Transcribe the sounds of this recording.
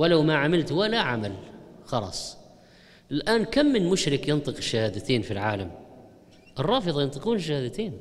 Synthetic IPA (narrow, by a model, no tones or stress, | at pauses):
wɪlawmaʕamɪlt̪walaʕamalxɑlɑ̰sˤ | ɪlʔaːnkamːɪnmʊʃɾɪkjɪnt̪ˤɨqɪʃːahaːd̪at̪eːnfilʕaːlam | ʔɨrˤːɑːfɨðˤɑjɪnt̪ˤɨquːnɪʃ̬ːahaːd̪at̪eːn